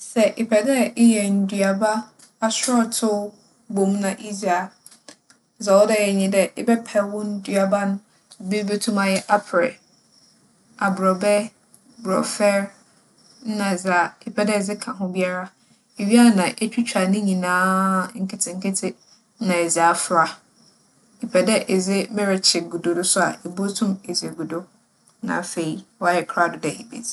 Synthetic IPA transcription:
sɛ˨ʔɪ˨pʰɛ˨dɛ˦ɪ˦jɛ˨n̩˨dɥa˨ba˦ | a˦sɔ˦tʰʊ˦ | bo˨m˦nã˨ʔi˦za˨ | sa˨wɔ˦dɛ˦˨jɛ˨ɲĩ˦dɛ˦ʔɪ˦bɛ˦pʰɛ˨wʊ̃˦n̩˦dɥa˨ba˦nʊ̃˦˨ | be˦be˦tʰũ˦mã˦jɛ˦ʔa˦pʰɾɪ̰˨ | a˨bɾɔ˨bɛ˦ | bɾɔ̰˨fɛ˦ɾ | n̩˦nã˨ɛ˨za˨ɪ˨pʰɛ˦dɛ˦ɛ˨d͡zɪ˦kʰã˨ɦʊ̃˦bi˦a˦ɾa˦ | e˨ɥi˦a˦˨nã˨ʔe˦t͡ɕᶣi˦t͡ɕʰᶣa˨nɪ̃˦ɲĩ˨nãː˨˦ŋ̩˦kʰɪ˦tʰɪ̃˨ŋ̩˦kɪ˦tʰɪ˦ | nã˨ɛ˨zɪ˨a˨fɾa˦ | i˨pʰɛ˨dɛ˦ʔe˨d͡zɪ˦mɪ˦ɾɪ˨t͡ɕʰɪ˨ɡu˨do˨dʊ˦sʊ˦a̰˨ʔe˨bo˦tʰʊ̃˦me˨zi˨e˨ɡu˨do˦ | nã̰˨fe˨i˦wɔ˦a˨jɛ˨kʰɾa˦˨dʊ˨dɛ˨hi˨bḭ˨d

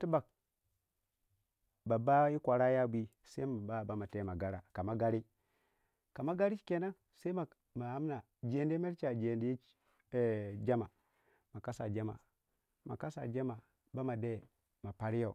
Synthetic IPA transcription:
ti˦ba˨k̚ | ba˨ba˦i˦kʷa˨ɾa˦ja˦bʷi˦ | sa˦i˦ma˨ba˦˨ba˦ma˨te˦˨ma˨ɡa˦ɾa̰˨ka˨ma˦ɡa˦ɾi˦ | ka˨ma˦ɡa˦ɾi˦t͡ʃke˨na˦ | sa˦i˦ma˨ | ma˨ha˦m˦na˨ | d͡ʒe˨nde˦me˦ɾt͡ʃa˨d͡ʒe˨ndi˦˨ | d͡ʒa˦ma˨ | ma˨ka˦sa̰˨d͡ʒa˦ma̰˨ | ma˨ka˦sa̰˨d͡ʒa˦ma˨ | ba˦ma˨de˦˨ | ma˨pa˨ɾi˦ja˦˨

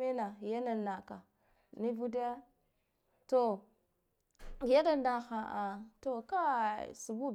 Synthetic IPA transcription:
e˦na˨ja˦na˨na˨ka˨ | ni˦vu˦da˦ja˦ | to˨ | ja˦na˦na˨xa˨ʔa˨to˨ka˦su˨bu˦b

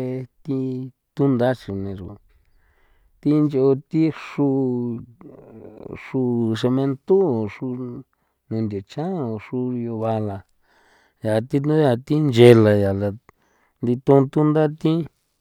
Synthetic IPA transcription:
e˧t̪i˧ | t̪u˦nd̪a˦t͡ʃi˧nẽ˧ʐo˨ | t̪i˦nd͡ʒo˧t̪i˦ʂu˦˧ | ʂu˧˨˧ʂe˧mẽ˧nt̪u˦˨ʂu˧ | nũ˨˧nd̪ʲo˨t͡ʃã˦o˧˨ʂu˧jo˧βa˧la˧ | ja˨t̪i˦nũ˦ja˧t̪i˦nd͡ʒe˧la˨ja˨la˧ | nd̪i˧t̪ũ˧t̪u˦nd̪a˦t̪ĩ˦

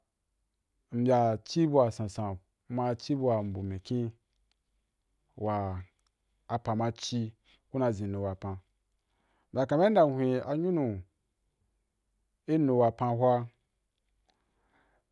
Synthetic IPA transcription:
m̩˨bʲa˨t͡ʃi˦bu˦a˨sã˨sã˨˦ | ma˧t͡ʃi˦bu˧˦a˨m̩˨bu˨mẽ˨kĩ˦ | wa˨ | pã˨ma˧t͡ʃi˧ | ku˦na˧˨zĩ˨nu˨wa˨pã˧ | m̩˦bʲa˨ka˨me˦n˦da˨hʷĩ˧a˨ɲu˦nũ˨ | i˦nu˨wa˨pã˧ɦʷa˦

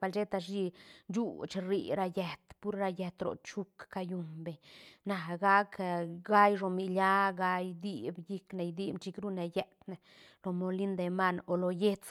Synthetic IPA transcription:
pa˧lt͡ʃe˦t̪a˧ʃi˧d͡ʒu˦t͡ʃɾi˧ɾa˧je˧t̪pu˦ɾɾa˧je˧t̪ɾo̰˨t͡ʃu˦kːa˧ju˧mbe˨ɲna˨ɡa˦kɡa˦jʐo˨mi˧lja˦ɡa˧jd̪i˦˧bji˦kne˧˨jd̪i˦bt͡ʃi˧kɾu˦ne˨je˧t̪ne˨ | lo˧mo˧li˦nd̪e˧ma˦no˨lo˨je˦t͡s

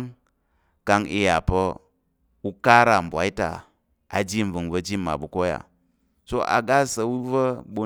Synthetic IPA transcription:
ŋ | ka˧ŋi˧ja˨pə˦ | u˦ka˦ɾa˨m̩˨bʷa˨˦i˦ta̰˨ | a˨d͡ʒi˦m˨vɨ˨ŋvə˦˧d͡ʒi˦mːa̰˨bu˨ko˦ja̰˨ | so˦ʔa̰˨ɡa˦sə˧wu˦və˦ɓu˦

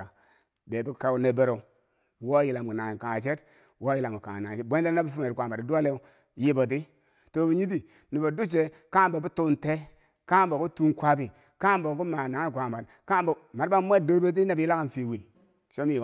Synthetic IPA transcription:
a˨ | be˨bi˦ka˨u˦ne˨be˨ɾo˨ | wo˦ji˨la˨m˨ɡu˨na˨ka˨ŋa˨t͡ʃe˦t | wo˦ji˨la˨ɡu˨ka̰˨na˨e˦bʷe˦de˦na˦bi˦fu˦me˨ɾi˨kʷa˨mba˨i˨du˦a˦le˦u˦ | ji˦bo˨t̬i˦ | to˨bi˨ɲi˦t̬i˨ | ni˨bo˨du˦t͡ʃe˨ | ka˦m˦bo˨bu˦tu˦nte˦ | ka˦m˦bo˨ku˦tu˦nkʷa˦bi˨ | ka˦bo˨˦ku˦ma˨na˨ŋa˦˨kʷa˨mba˨tka˦mbo˨ma˨ɾa˦m˦e˦˨do˦ɾbe˦t̬i˦na˦bi˨ji˦la˦ka˨n˨fi˨wi˨n˨ | ʃo˦mi˦˨

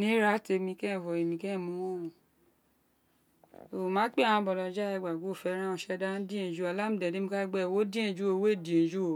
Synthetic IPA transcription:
nĩ˦ɾa˦te˧mĩ˧kɛ̃˦˨fɔ˨e˨mĩ˧kɛ̃˦˨mũ˧˦wɔ̃˦˨ũ˨ | o˨mãː˨˦k͡pe˦ã˨ã˧bɔ˨dɔ̃˨˧˨d͡ʒa˦ɛ˧ɡ͡ba˨ɡu˨˦o˦˨fɛ˧˦ɾ̃ã˦ɔ̃˧ʃɛ˧˦da˦n˦dĩ˦ẽ˨d͡ʒu˦˨a˨la˦mũ˧˦dɛ˨de˦mĩ˧a˦ɡ͡bɛ˦˨wo˦dĩ˦ẽ˦˨d͡ʒu˦o˧˨we˦˨di˨ẽ˨d͡ʒu˦o˨

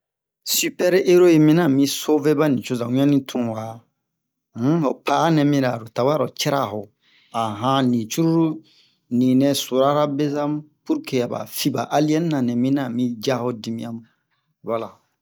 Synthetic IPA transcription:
sy˦pɛ˦ɾe˦ɾo˦e˨mĩ˦nã˦˨mĩ˦so˦ve˦ba˦nĩ˨t͡ʃo˦zã˨ũ˦ã˦nĩ˦tʰũ˨wa˨˦ | o˨pa˨a˦nɛ̃˨mĩ˦ɾa˨ɾo˨ta˨wa˦ɾɔ˨t͡ʃɛ˦ɾa˦˨ɦɔ˨ | a˨ɦã˦nĩ˨t͡ʃu˦ɾu˦ɾu˦ | nĩ˨nɛ̃˨so˨ɾa˦ɾa˦be˦zã˦m | pu˦ɾke˨a˨ba̰˨fi˦ba̰˨ʔa˦li˦ɛ˦n˦nã˨nɛ̃˨mĩ˦nã˨mĩ˦d͡ʒa˦hɔ˦di˦mĩ˦ã˦mũ˨ | wa˨la˨

